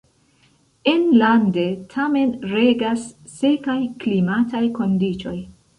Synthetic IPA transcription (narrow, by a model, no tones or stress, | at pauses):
e̞nlande̞tʰame̞nɾe̞ɡasː | e̞kajklimatʰajko̞ndit͡ʃo̞j